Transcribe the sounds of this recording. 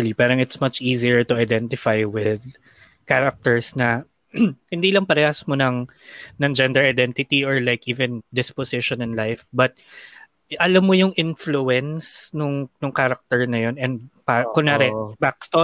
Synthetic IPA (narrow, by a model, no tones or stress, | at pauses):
lipaːɾɐŋɪt̪smɐt͡ʃiːziəɹt̪ʊajd̪ɛnt̪ɪfajwɪd̪ | kaɾɐk̚t̪ɛɹsnɐ | hɪnd̪iːlɐŋpɐɾɛʔasmonɐŋ | nɐŋd͡ʒɛnd̪ɛɹɐjd̪ɛnt̪ɪt̪iɔɹlajkʔiːvɛ̃nd̪ɪsposɪʃɔnɛnlajfbɐt̪̚ | ʔɐlɐmːojʊŋʔɪnfluɛnsnʊŋnʊŋkaɾɐk̚t̪ɛɹnɐjo̞nɛnd̪̚pakʊnaɾɛbak̚st̪o